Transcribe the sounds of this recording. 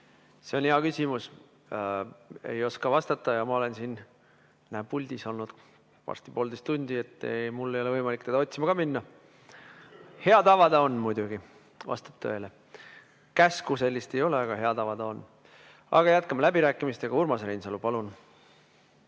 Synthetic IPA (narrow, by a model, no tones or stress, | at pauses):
seoneɑkysʲimus | ejo̞skɑvɑst̪ɑt̪ːˑɑjɑmɑo̞le̞nsin | næbulʲd̪̥iso̞lnud̪̥ | vɑ̰rst̪i̥po̞ːld̪ejst̪unʲd̪̥ie̞t̪ːˑḛmulːe̞jo̞le̞ɤjmɑlʲikːt̪ed̪ɑot̪ʲsimɑɡ̥ɑminːɑ | he̞ɑt̪ɑvɑd̪̥ɑo̞nːmujd̪̥uɡ̥i | vɑ̰st̪ɑ̥p̚t̪ʰø̰ele | kæskuse̞lʲːist̪e̞jo̞le̞ɑɡ̥ɑɦe̞ɑdt̪ɑvɑd̪ɑo̞n | ɑ̰ɡ̥ɑjæt̪̚kɑmɑlæbiɾæːkːˑimist̪eɡ̥ɑurmɑsɾejnsɑlupɑlun